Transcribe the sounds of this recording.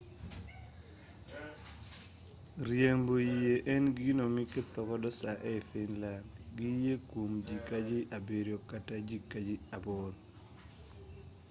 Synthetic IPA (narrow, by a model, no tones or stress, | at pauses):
ɾjembojijeʔɛnɡinomikɪt̪ɔkɔdɔsaʔɛfɪnlandɡɪjekwomd͡ʒikad͡ʒɪʔabeɾjokatad͡ʒikad͡ʒiaboɾ